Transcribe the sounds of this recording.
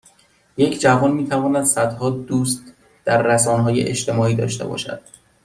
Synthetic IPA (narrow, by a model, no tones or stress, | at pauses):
je̞cʰd͡ʒævɒːnmiːt̪ʰævɒːnæd̪sæd̪hɒːd̪uːst̪ | d̪̥æɾːæsɒːnɦɒːjḛʔḛʃt̪ʰe̞mɒːiːd̪ɒ̰ːʃt̪e̞bɒ̰ːʃæ̰d̪̥̚